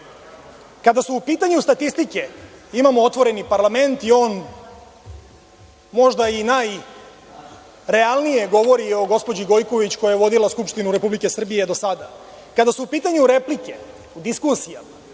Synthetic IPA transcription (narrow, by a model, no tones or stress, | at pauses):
kad̪asuːpiːt̪aɲust̪at̪ist̪ike̞imamoot̪ʋo̞ɾe̞nipaɾlˠame̞nt̪io̞ːn | mo̞ʒd̪ainaj | ɾe̞alˠnije̞ɡo̞ʋo̞ɾio̞ɡo̞spod͡ʑiɡo̞jkoʋit͡ɕko̞jajeʋo̞d̪ilaskupʃt̪inuɾe̞publike̞sr̩bije̞d̪o̞sad̪a | kad̪asuupiːt̪aɲuɾe̞plike̞ | ud̪iskusijama